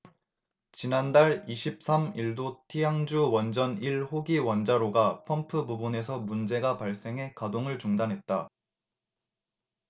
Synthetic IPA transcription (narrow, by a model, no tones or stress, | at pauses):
t͡ɕinandaɭiɕʰip̚s͈amiɭdotʰijaŋd͡ʑuwʌnd͡ʑʌniɭhoɡiwʌnd͡ʑaɾoɡapʰʌmpʰɯbubune̞sʰʌmund͡ʑe̞ɡapaɭs͈e̞ŋɦe̞kadoŋɯɭt͡ɕuŋdanɦe̞t̚t͈a